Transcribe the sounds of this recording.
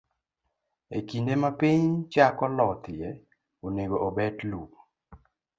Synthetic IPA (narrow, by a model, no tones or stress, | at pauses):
ḛkindemapiɲt͡ʃakɔlɔt̪ɪjɛ | oneɡoʔɔbɛtluk